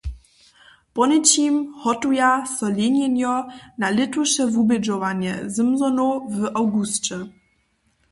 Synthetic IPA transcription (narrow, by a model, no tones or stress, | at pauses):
pɔnɘt͡ɕimhɔtujasɔlʲeɲʲɛnjɔnalɘtwɔʂɛvubɛd͡ʒɔvaɲɛ̰zɘmzɔnuvʔawɡust͡ʃɛ